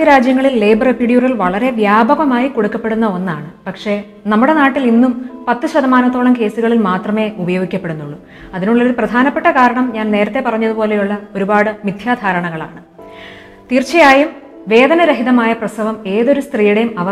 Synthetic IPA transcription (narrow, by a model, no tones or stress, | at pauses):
ɐɾaːd͡ʑjɐŋːɐɭilːejbɐrepiɽjurɐlʋɐɭɐɾe̞ʋjaːbʱɐɣɐmaːjiko̞ɽukːɐpːe̞ɽunːɐo̞nːaːɳɨpɐkʂe̞ | nɐmːuɽe̞naːʈːilinːumpɐt̪ːɨɕɐd̪ʱɐmaːnɐt̪ːoːɭɐmke̞ːsuɣɐɭilmaːt̪rɐme̞ːubɐjoːɡikʲːɐpːe̞ɽunːuɭːu | ɐðinuɭːɐo̞ɾuprɐd̪ʱaːnɐpːe̞ʈːɐkaːɾɐɳɐmɲaːnne̞ːɾɐt̪ːe̞pɐrɐɲːɐðupo̞ːle̞juɭːɐo̞ɾubaːɽɨmid̪ʱjaːd̪ʱaːɾɐɳɐŋːɐɭa̰ːɳɨ | t̪iːrt͡ɕːɐjaːjum | ʋe̞ːd̪ɐnɐɾɐɦiðɐmaːjɐprɐsɐʋɐme̞ːðo̞ɾust̪riːjuɽejumɐʋɐ